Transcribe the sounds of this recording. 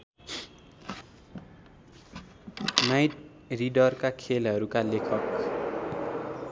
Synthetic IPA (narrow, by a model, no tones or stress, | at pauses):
najʈ̚ | riɖʌrkakʰelɦʌɾukalekʰʌk